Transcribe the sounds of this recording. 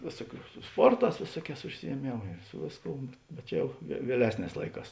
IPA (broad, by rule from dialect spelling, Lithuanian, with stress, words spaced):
ˈʋʲeːsuɔˌkʲuː sʊ ˈspoːrˌtɑːs ˈʋʲeːsuɔˌkʲɛːs ʊʃʲsʲɪjiɛˈmʲeːmʊ ɪ ˈsʊ ʋʲeːsˌkoːʊ bʲɛt ˈjɛʊ ʋʲiɛ ʋʲiɛˈlʲæːsʲˌnʲɛːs ˈlˠɐɪˌkɑːs